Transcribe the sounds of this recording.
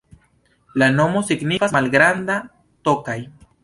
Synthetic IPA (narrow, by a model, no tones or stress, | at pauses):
lano̞mosiɡnifasmalɡɾand̪a | t̪o̞kaj